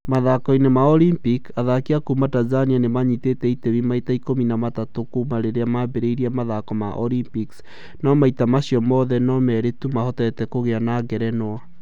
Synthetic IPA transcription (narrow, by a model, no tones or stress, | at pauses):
maðakɔinemaɔlimpikaðakeakumatanzanianemaɲitetɛiteβimaitaikominamatatokumaɾeɾeamabeɾeiɾiamaðakɔmaʔɔlimpiks | nɔmaitamaɕiɔmɔðɛnɔmɛɾetumahɔtɛtɛkoɣeanaɡɛɾɛnwa